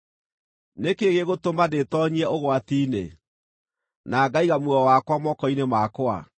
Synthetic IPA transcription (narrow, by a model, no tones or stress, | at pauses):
nekeɣeɣotomadetɔɲiɛʔoɣwatiːnḛ | naɡaiɣamwɔwakwamɔkɔinemakoa̰